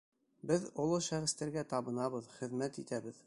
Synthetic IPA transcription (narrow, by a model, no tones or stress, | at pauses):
bɘðŏlˠoʃæʁɘ̆st̪æɾɡæt̪ɑβɤ̆nɑβɤðχɘ̆ðmæt̪it̪æbɘð